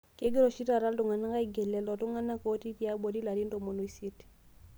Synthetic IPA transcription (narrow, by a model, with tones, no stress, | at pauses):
ke˦ɡe˦ɾo˨ʃi˦ta˨ɾa˦ltu˨ŋa˨na˦ŋɡa˦i˨ɡe˨lɛ˨lɔ˨tu˦ŋa˦na˦ko˨˦ti˦ti˦a˦bo˨ti˦la˨ɾi˦ndo˨mo˨nu˨i˨si˦t